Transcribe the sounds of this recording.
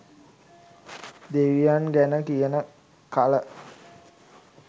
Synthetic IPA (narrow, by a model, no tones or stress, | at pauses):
d̪eʋijanɡænəkijənə | kalə